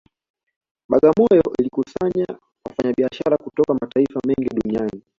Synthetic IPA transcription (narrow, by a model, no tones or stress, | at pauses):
ɓaɠamɔjɔʔilikusaɲa | wafaɲaɓiaʃaɾakutɔkamataifamɛŋɡiɗuniani